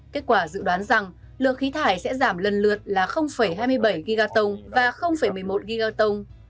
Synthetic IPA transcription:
ke˦˥t̚kwaː˧˩zɨ̰˧˨ɗwaː˨˦nza˨˩ŋ | lɨ˨˩ət̚xi˨˦t̪ʰaː˧˩jsɛ̰˧˥zaː˧˩mlə˨˩nlɨ˨˩ət̚laː˨˩xə˧wŋ͡mfə˧˩jɦaː˧jmɨ˧əjɓə˧˩jɣi˧ɣaː˧t̪ə˧wŋ͡mvaː˨˩xə˧wŋ͡mfə˧˩jmɨ˨˩əjmo˨˩t̚ɣi˧ɣaː˧t̪ə˧wŋ͡m

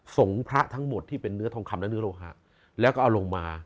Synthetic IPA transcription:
so˩˦ŋpʰɾa˦˥ʔt̪ʰa˦˥ŋmo˨˩t̪ʰːiː˥˩pe˧nːɯ˦˥ɐt̪ʰɔː˧ŋkʰa˧mla˦˥nɯ˦˥loː˧ɦa̰ː˨˩ | lɛː˦˥wkɔː˥˩ʔa˧lo˧ŋmaː˧

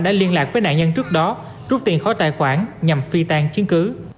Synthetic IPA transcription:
ɗa̰ː˧˥li˧ənlaː˨˩k̚vəː˨˦jnaː˧˨ɲə˧nt͡ɕɨ˦˥ək̚ɗɔ˨˦ | zu˦˥p̚t̪i˨˩nxɔ˨˦t̪aː˧˨˩jkwaː˧˩nɲa˨˩mfi˧t̪aː˧ŋt͡ɕi˨˦ənkɨ˨˦

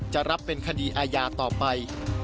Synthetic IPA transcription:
t͡ɕa˨˩ʔɾa˦˥pːe˧nkʰa˧diː˧ʔaː˧jaː˧t̪ɔː˨˩pa˧j

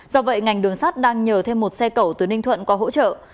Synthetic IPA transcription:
zɔ˧və̰˧˨jŋa˨˩jŋ̟ɗɨ˨˩əŋsaː˦˥t̚ɗaː˧ŋɲəː˨˩t̪ʰe˧mːo˨˩t̚sɛ˧kə˧˩wt̪ɨ˨˦nï˧ŋ̟t̪ʰwə̰˧˨nkɔ˨˦ɦo̰˧˥t͡ɕə̰ː˧˨

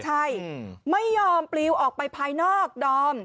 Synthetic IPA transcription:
t͡ɕʰa˥˩jma˥˩jːɔː˧mpliː˧wʔɔː˨˩k̚pa˧jpʰaː˧jnɔː˥˩k̚dɔː˧m

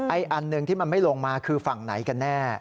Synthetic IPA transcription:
ʔa˧jʔa˨˧nːɯ˨˧ŋt̪ʰiː˥˩ma˧nma˥˩jloː˧ŋmaː˧kʰɯː˧fa˨˩ŋna̰˩˦jka˧nːɛː˥˩

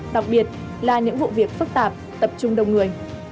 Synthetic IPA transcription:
ɗa˨˩k̚ɓi˨˩ət̚ | laː˨˩ɲɨ̰˧˥ŋvṵ˧˨vi˨˩ək̚fɨ˦˥k̚t̪aː˨˩p̚t̪ə˨˩p̚t͡ɕʊ˧ŋ͡mɗə˨˩wŋ͡mŋɨ˨˩əj

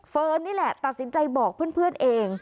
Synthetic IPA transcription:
fɤː˧nːiː˥˩lɛ˨˩t̪a˨˩t̪̚si˨˩˦nt͡ɕa˧jbɔː˨˩k̚pʰɯ˥˩ənpʰɯ˥˩ənʔeː˧ŋ

